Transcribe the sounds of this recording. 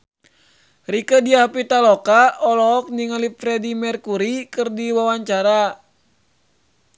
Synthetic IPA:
rikədiahpit̪alɔkaɔlɔɔk̚niŋalipɾɛdimɛrkuɾikɨrdiwawaɲt͡ʃaɾa

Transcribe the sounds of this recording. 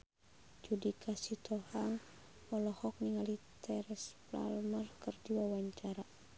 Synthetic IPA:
d͡ʒudikasit̪ʰɔhaŋ | ɔlɔhɔk̚niŋalit̪ʰɛɾɛspla̰lmərkərd͡ʒiwawaɲt͡ʃaɾa

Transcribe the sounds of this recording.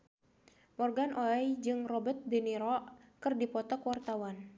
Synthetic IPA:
mɔrɡanʔoɛjd͡ʒɨŋrɔbət̪̚bɛniɾɔkɨrdipɔt̪ɔkwart̪awan

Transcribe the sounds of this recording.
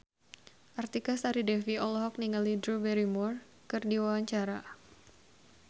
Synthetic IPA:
ʔart̪ikasaɾidɛfiɔlɔɦɔk̚niŋalidɾubɛɾimur | kɨrdiwawaɲt͡ʃaɾa

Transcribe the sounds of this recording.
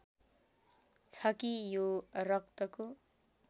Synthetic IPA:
t͡sʰʌkijorʌk̚t̪ʌko

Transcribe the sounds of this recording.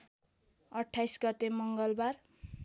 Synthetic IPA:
ʌʈʰːajsɡʌt̪emʌŋɡʌlbar

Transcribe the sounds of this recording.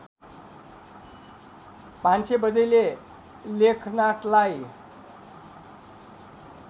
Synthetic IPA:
bʱansebʌd͡zʌjle | lekʰnaʈlaj

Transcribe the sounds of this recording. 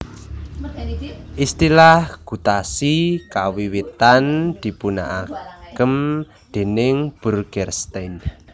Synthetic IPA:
ʔist̪ilahɡ̥ṳt̪asikawiwit̪and̪̥i̤puna̰ʔakəm | d̪̥e̤nɪŋb̥ṳrɡ̥ɛrst̪en

